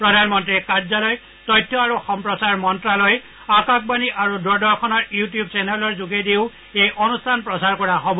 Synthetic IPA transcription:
pɹɔdʱanmɔntɹikaɹzalɔj | tɔjtʰːɔaɹuxɔmpɹɔsaɹmɔntɹalɔj | akak̚baniʔaɹudɔɹdɔɹkʰɔnɔɹjutijub̚sɛnɛlɔɹzuɡediʊ | ejʔɔnustʰanpɹɔsaɹkɔɹaɦobɔ

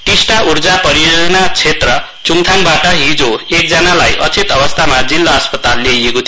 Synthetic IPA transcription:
ʈisʈaʔurd͡zapʌɾijod͡zʌnat͡sʰet̪rʌ | t͡suŋt̪ʰanbaʈʌɦid͡zoek̚d͡zʌnalajʔʌ̰t͡sit̪ʌbʌst̪ʰamad͡zilːʌːspʌt̪alːejeko

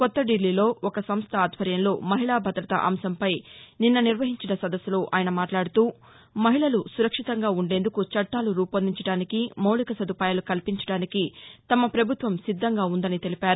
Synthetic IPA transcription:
kɔt̪ːɐɖilːiːlo̞ːɔkɐsɐmst̪ʰɐːd̪ʱʋɐɾjɐmlo̞ːmɐɦiɭaːbʱɐd̪ɾɐt̪ɐ̰ʔɐ̰msɐmpɐjninːɐniɾʋɐɦiɲt͡ʃinɐsɐd̪ɐsːuloːʔaːjɐnɐmaːʈlaːɽut̪uː | mɐɦiɭɐlusuɾɐkʂit̪ɐŋɡaːuɳɖe̞ːnd̪ukut͡ʃɐʈːaːluɾuːpɐnd̪iɲt͡ʃɐɽaːnikimɐwɭikɐsɐd̪upaːjaːlukɐlpiɲt͡ʃɐ̥ɽaːnikit̪ɐmɐpɾɐbʱut̪ʋɐmsid̪ʱːɐŋɡaːund̪ɐnit̪e̞lipaːɾu

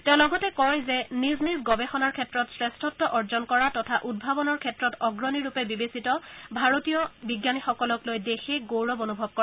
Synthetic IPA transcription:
tɛ̃ʊ̃lɔɡɔtɛkɔjzɛniznizɡɔbɛxɔnaɹkʰɛtɹɔtsɹɛstʰɔtːɔʔɔɹzɔnkɔɹatɔtʰaʔud̚bʱabɔnɔɹkʰɛtɹɔtɔɡɹɔniɹupɛbibesitɔbʱaɹotijɔbiɡjanixɔkɔlɔklojdexeɡowɹɔbonubʱɔb̚kɔ

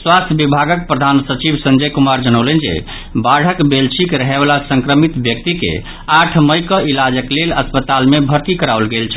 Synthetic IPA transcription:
swast̪ʰjəbibʱaɡək̚pɾəd̪ʱansət͡ʃibsənd͡ʒəjkumaɾd͡ʒənəwlend͡ʒḛ | baɽ̤əkbelsʰikɾəɦebalasə̃ŋkɾəmit̪bjək̚t̪ikḛ | aʈʰməjkəʔilad͡ʒəkleləspət̪almebʱəɾt̪ikəɾaulɡelt͡ʃʰə̥

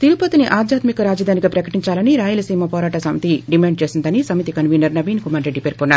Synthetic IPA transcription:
t̪iɾupɐt̪iniʔaːd̪ʱjaːt̪mikɐɾaːd͡ʒɐd̪ʱaːniɡaːpɾɐkɐʈiɲt͡ʃaːlɐniɾaːjulɐsiːmɐpɔːɾaːʈɐsɐmit̪iɖimaːɳɖ̚t͡ʃe̞ːsind̪ɐnisɐmit̪ikɐnʋiːnɐɾnɐʋiːnkumaːɾɾeɖːipeɾkɔnːaːɾuu

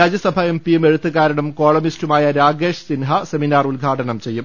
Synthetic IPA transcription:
ɾaːd͡ʑjɐsɐbʱɐe̞mpijume̞ɻut̪ːuɣaːɾɐɳɐmkoːɭɐmistumaːjɐɾaːɡeːʂsinɦɐse̞minaːrulɡʱaːʈɐɳɐmt͡ɕe̞jːum

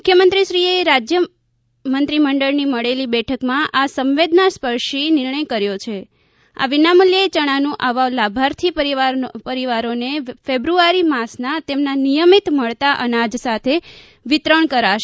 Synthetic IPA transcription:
mʊkʰːjəmənt̪ɾiʃɾieɾad͡ʒjə | mənt̪ɾiməɳɖəɭniməɭelibɛʈʰəkmãʔasə̃mʋed̪naspəɾʃinɪɾɳəjkəɾjot͡ʃʰe | a̰ʋinamuljəet͡ʃəɽ̃anũʔaʋalabʱaɾt̪ʰipəɾiʋaɾpəɾiʋaɾonefebɾuaɾimasnat̪emnanijəmit̪məɭt̪aʔənad͡ʒsat̪ʰe | ʋit̪ɾəɳkəɾaʃe

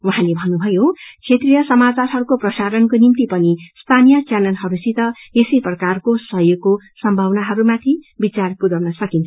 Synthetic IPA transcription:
wuɦãlebʱʌnːubʱʌjot͡sʰet̪rijʌsʌmat͡sarɦʌɾukoprʌsaɾʌnkonimt̪ipʌnisp̪ʰanijʌt͡sjanʌnɦʌɾusit̪ʌesiprʌkarkosʌɦjoɡːosʌmbʱʌwnaɦʌɾumat̪ʰibit͡sarpudʌwnʌsʌkint͡sʰ

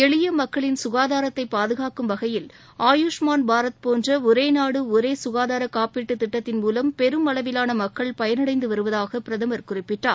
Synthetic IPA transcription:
ɛɭɪjɐmɐkːɐɭɪnsʊɣaːðaːɾɐt̪ːɐɪpːaːðɯɣaːkɯmʋɐɣɐjɪl | aːjuʂmaːnbaːɾɐt̪poːndrɐʊɾeːnaːɽɯʊɾeːsʊɣaːðaːɾɐkaːpiːʈːɯt̪ːɪʈːɐt̪ːɪnmuːlɐmpɛɾɯmɐɭɐʋɪlaːnɐmɐkːɐɭpɐjɐnɐɽɐɪnd̪ɯʋɐɾɯʋɐðaːɣɐpɪɾɐðɐmɐɾkʊrɪpːɪʈraːɾ

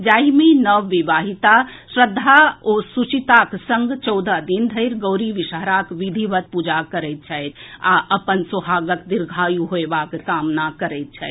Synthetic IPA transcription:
d͡ʒaːimenəʋːiʋaɦit̪asɾəd̪ʱːaosut͡ʃit̪aksəŋɡt͡ʃɔʊd̪ʱad̪ind̪ʱəɪɾɡəʊɾiʋiʃəɦɾakʋid̪ʱiʋət̪̚pud͡ʒakəɾɛɪt̪̚t͡ʃʰajt̪aʔəpənsuɦaɡək̪d̪iɾɡʱajuɦoebakkamnakəɾɛt̪̚t͡ʃʰɛ

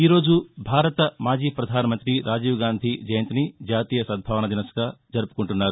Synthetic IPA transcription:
iːɾo̞ːd͡ʒubʱaːɾɐt̪ɐmaːd͡ʒiːpɾɐd̪ʱaːnɐmɐnt̪ɾiɾʔaːd͡ʒiːʋɡaːnd̪ʱid͡ʒɐjɐnt̪inid͡ʒaːt̪iːjɐsɐd̪̚bʱaːʋɐnɐd̪inɐsɐ̥ɡaːd͡ʒɐɾupu̥koɳʈunːaːɾu

